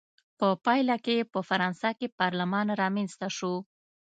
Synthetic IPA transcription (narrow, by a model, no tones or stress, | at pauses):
pəpɑjlakepəfaɾɑnsakepɑɾlamɑnɾɑmenst̪aʃo